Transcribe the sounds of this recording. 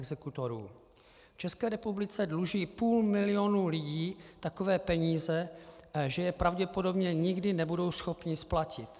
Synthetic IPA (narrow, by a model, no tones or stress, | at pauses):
ɡzɛkut̪oɾuː | ft͡ʃɛskɛːɾɛpublɪt͡sɛdluʒiːpuːlmɪlɪonuːlɪɟiːt̪akovɛːpɛɲiːzɛʒɛjɛpɾavɟɛpodo̞bɲɛɲɪɡdɪnɛbudo̞wsxopɲɪsplacɪt̪